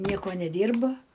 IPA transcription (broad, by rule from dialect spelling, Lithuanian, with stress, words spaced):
ˈnʲiɛkoː nʲɛˈdʲiːrbɐ